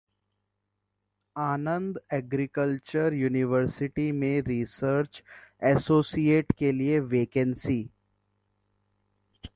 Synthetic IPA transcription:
aːnə̃nd̪ɛːɡɾɪkəlt͡ʃəɾjuːnɪʋəɾsɪʈimẽɾiːsəɾt͡ʃɛːsoːsijeːʈkelieʋeːkə̃nsiː

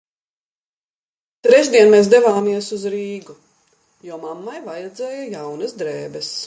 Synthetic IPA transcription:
t̪ɾɛʒd̪iɛnmeːs̬d̪ɛvaːmiɛsuzɾiːɡu | jɔːmamːajvajɛd̪zɛːjɐjawnɐsd̪ɾɛːbɛs

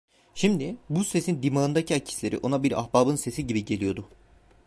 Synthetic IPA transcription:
ʃimd̪ibuse̞sind̪imaɯnd̪acʰiacʰi̥slʲe̞ɾḭʔo̞nabiɾa̰xbaːbɯnse̞siɟibiɟelʲijo̞d̪ʊ

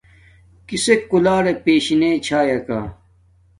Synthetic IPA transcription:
kisekːulaːɾepeːɕinet͡ɕʰaːjɐka̰ː

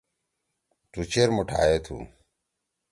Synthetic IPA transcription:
t̪ut͡ɕeɾmoʈʰa̰ːjeːt̪ʰṵ

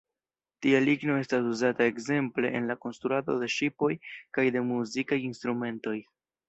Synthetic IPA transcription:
tialiɡno̞e̞stasuzatae̞kze̞mple̞ʔḛnlako̞nst̪ɾuado̞̰de̞ʃipo̞jkajde̞muzikajinst̪ɾume̞nto̞j

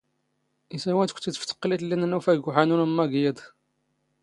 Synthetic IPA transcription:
isæwænt̪kʷt̪ːit̪ft̪ːə̥qːlit̪linænufæɡuħanunəmːæɡjəd̪ˤ

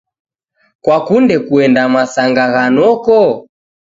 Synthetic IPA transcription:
kwakundɛkuɛndamasaŋɡaɣanɔkɔ

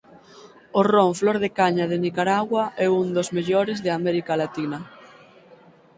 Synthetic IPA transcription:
oroɱflɔɾðekaɲað̞enikaɾaɣwaʔɛund̪ozmeʎoɾezðɪamɛɾikalat̪inɐ

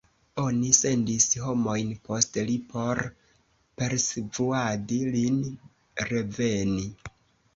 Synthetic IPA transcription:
o̞nise̞ndisɦo̞mo̞jnpo̞stlipo̞ɾ | pe̞ɾsevuadilin | ɾe̞ve̞ni

